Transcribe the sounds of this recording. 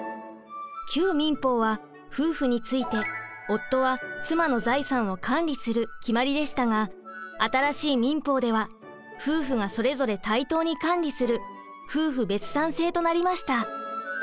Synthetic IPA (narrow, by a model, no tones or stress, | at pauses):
kʲʰɨːmʲĩmpo̞ːβa | ɸɯ̟ːɸɯ̟ɲ̟it͡sɨit̪e̞o̞t̪ːo̞βat͡sɨmano̞zaisãɰ̃o̞kʰãnɾʲisɨɾɯ̟kʲimaɾʲid̪e̞ɕi̥t̪aŋaat̪aɾaɕiːmʲĩmpo̞ːd̪e̞β̞a | ɸɯːɸɯ̟ŋaso̞ɾe̞zo̞ɾe̞t̪ait̪o̞ːɲ̟ikãnɾʲisɨɾɯ̟ | ɸɯ̟ːɸɯ̟be̞t͡sɨ̥t̪ãɰ̃se̞ːt̪o̞naɾʲimaɕi̥t̪a